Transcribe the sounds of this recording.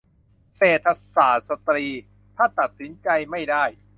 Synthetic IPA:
seː˨˩t̪ʰːa˧saː˨˩sa˧t̪ɾiː˧ | t̪ʰaː˥˩t̪a˨˩t̪̚si˩˦nt͡ɕa˧jma˥˩jdaː˥˩j

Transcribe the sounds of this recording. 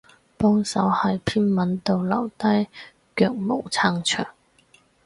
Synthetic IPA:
pɔː˥ŋsɐ˨˥whɐ˨jpʰiː˥nmɐ˨˥nt̪o˨wlɐ˨˩wt̪ɐ˥j | kœː˨k̚mo˨˩wt͡sʰaː˧ŋt͡ʃʰœ̰ː˨˩ŋ

